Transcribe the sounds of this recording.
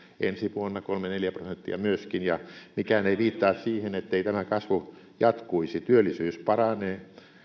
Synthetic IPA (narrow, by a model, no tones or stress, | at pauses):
ḛnsiʋuonːɑkolmeneljæprosent̪ːiɑ̰myøskinjɑmikæneʋiːt̪ːɑːssiːhenet̪ːeit̪æmækɑsʋu | jɑt̪kuisit̪yølːˑisyːspɑrɑneː